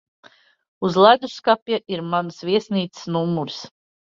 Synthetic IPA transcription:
uzlˠad̪uskapjaʔiɾmansvʲiɛsniːt̪sɨ̥snumːuɾs

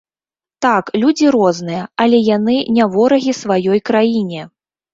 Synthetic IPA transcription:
t̪aklʲud͡zʲiɾɔznɨjɐɐlʲɛjanɨnʲavɔɾɐɣʲisvajɔjkɾajinʲɛ

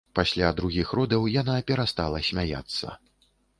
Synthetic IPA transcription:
pasʲlʲad̪ɾuɣʲixrɔd̪ɐwjanapʲɛɾast̪alˠɐsʲmʲaja̰t̪sːɐ̰

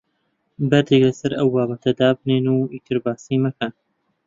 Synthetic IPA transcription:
bɐɾd̪eɡlɐsɐɾʔɐwbaːbɐt̪ʰɐd̪aːbneːnuːiːt̪ʰɨɾbaːsiːmɐkʰan

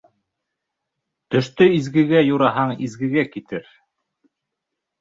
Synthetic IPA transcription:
t̪ɵ̆ʃt̪ɵizɡɘ̆ɡæjuɾɑɦɑɴizɡɘ̆ɡækit̪ɘɾ

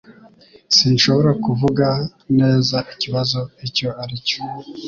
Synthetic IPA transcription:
sinʃo̞βo̞ɾakuvuɡa | ne̞ːzaʔiciβazo̞ico̞aɾico̥

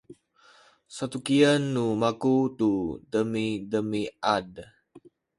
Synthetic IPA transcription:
sat̪ukiənːumakut̪udəmidəmiad

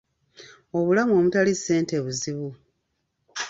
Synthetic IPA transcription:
o̞βulamuo̞mutalise̞ːnte̞βuziβu

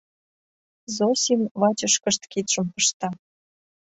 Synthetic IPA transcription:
zosʲimβɑt͡ɕə̆ʃkə̆ʃt̪kit̪ʃə̆mpɤʃt̪ɑ

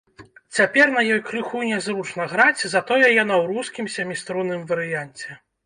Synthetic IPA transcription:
t͡sʲapʲɛrn̪ɐjɔjkɾɨxunʲɛzɾut͡ʂnɐɣɾat͡sʲzɐt̪ɔjɛjanɐwɾuskʲimsʲɐmʲist̪ɾunɨmvɐɾɨjanʲt͡sʲɛ

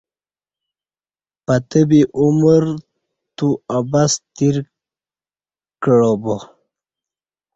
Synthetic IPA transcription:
pat̪əbiʔuməɾ | t̪uabast̪iɾ | kəɻobo

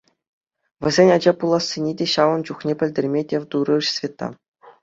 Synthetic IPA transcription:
ʋʲɘ̆zʲenʲɑd͡ʑɑpulˠɑsʲːenʲedʲeɕɑʋɤ̆nd͡ʑuχnʲepʲɘ̆lʲdʲĕrʲmʲedʲeʋd̪uɾɤ̆ʂsvʲet̪ːɑ̰

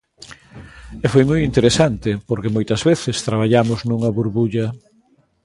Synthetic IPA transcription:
ɛfojmojint̪eɾesant̪ɪpoɾkemojt̪ɐzβeθɪst̪ɾaβ̞aʎamʊznuŋɐβuɾβuʎɐ

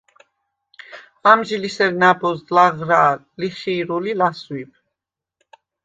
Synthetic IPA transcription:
amʒilisɛɾnabɔslaʁɾaː | liχiːɾulilaswib̚ʰ

